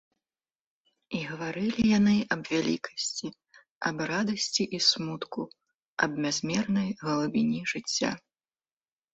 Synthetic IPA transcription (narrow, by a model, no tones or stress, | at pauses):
iɣɐvaɾɨlʲijanɨʔɐbvʲalʲḭkɐ̥sʲt͡sʲi | ɐ̰brad̪ɐsʲt͡sʲiʔismut̪ku | ɐ̰bmʲazʲmʲɛrnɐjɣɐlˠubʲinʲiʐɨt͡sʲːa̰